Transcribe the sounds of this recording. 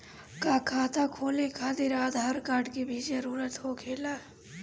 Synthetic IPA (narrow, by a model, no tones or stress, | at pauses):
kaːkʰaːt̪akʰoːlekʰaːt̪eɾaːd̪ʱɦaɾkaːɾɖkebʱid͡ʒəɾuːɾət̪ɦokʰeːlaː